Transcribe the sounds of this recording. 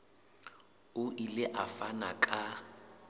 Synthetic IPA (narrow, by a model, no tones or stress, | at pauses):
ʊʔilɪʔafanakʼa